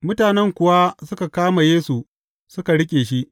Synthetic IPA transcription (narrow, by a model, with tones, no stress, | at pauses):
mʊ˦taː˨nɛ˦ŋkʷʊ˨wa˦sʊ˦ka˨kaː˦ma˨jeː˦su˨ | sʊ˦ka˨ɽɪ˦kʲʼeː˨ʃi˦ʔ